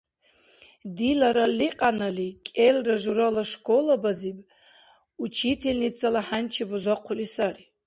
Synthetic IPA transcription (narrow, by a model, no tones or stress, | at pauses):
dilaɾaliqʼanalikʲʼelraʒuɾalaʂkʼolabazibʼ | ut͡ʃʰitʰelnit͡sʰʼalaħant͡ʃʰibuzaqʷʰʊlisari